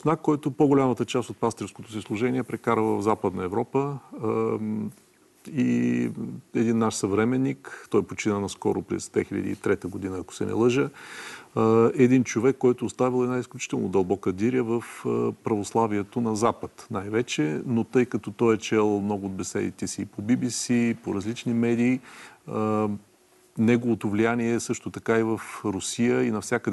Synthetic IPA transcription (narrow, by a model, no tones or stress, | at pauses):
snakkːɔjt̪ʊpoɡʊlʲamət̪ət͡ʃast̪ot̪̚past̪iɾfskot̪osislˠʊʒɛnʲiɛpɾɛkaɾəvəvzapəd̪nəɛvɾɔpə | i | ɛd̪inːaʃsɐvɾɛmɛnːikt̪ɔjpot͡ʃinənɐskɔ̰ɾʊ̰pɾɛ̰zd̪vɛ̰xiʎʲə̰d̪ḭit̪ɾɛt̪əɡod̪inəɐko̥sɛ̰nɛ̰lˠɤʒə | ɛd̪int͡ʃovɛkːɔjt̪oːst̪avilˠɛd̪naisklʲut͡ʃi̥t̪ɛlˠnod̪ɐlˠbɔkəd̪iɾʲəvəfpɾɐvoslˠaviɛt̪onɐzapət̪najvɛt͡ʃɛnot̪ɤjkɐt̪ɔt̪ɔjɛt͡ʃɛlˠmnɔɡʊːd̪̚bɛsɛ̰d̪ḭt̪ɛsiːpobibisipoɾɐzlit͡ʃnimɛd̪iːə | nɛɡovot̪ovlijaniɛːsɤʃt̪ot̪ɐkaivəfɾʊsijəinɐfsʲakəd̪ɛ